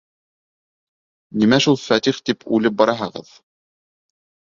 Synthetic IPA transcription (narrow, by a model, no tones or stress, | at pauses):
nimæʃulˠfæt̪iχt̪ipʰʉlɘp̚bɑɾɑɦɤ̆ʁɤ̰ð